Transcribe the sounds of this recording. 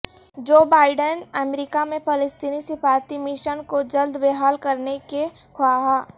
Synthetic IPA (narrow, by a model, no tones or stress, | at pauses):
d͡ʒoːbaːɪɖənəmɾiːkamẽpɐləst̪iːnisɪfaːɾt̪imɪʃənkod͡ʒɐld̪ʋeːɦaːlkɐɾneke | kʰʊaɦaː